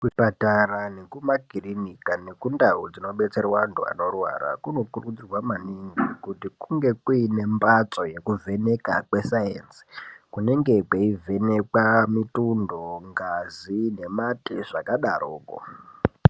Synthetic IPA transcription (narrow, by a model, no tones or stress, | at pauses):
kupataranekumaɡʱirinikane̞kundaud͡zino̞ɓe̞t͡se̞rwandua̰no̞rwa̰ɾa̰kuno̞kurkud͡zirwamaniŋɡikutikuŋɡe̞kuine̞mbat͡so̞je̞kuvʱe̞ne̞ka̰kwe̞sajensi̥kune̞ŋɡe̞kweive̞nekamitundoŋɡazine̞matiʐakaɗaroːko̰